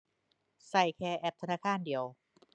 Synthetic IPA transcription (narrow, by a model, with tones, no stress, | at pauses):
sa˧˩jkʰɛː˧ʔɛː˧˩p̚t̪ʰa˧naː˧˥˩kʰaː˧˥˨ndi˨˩˦əw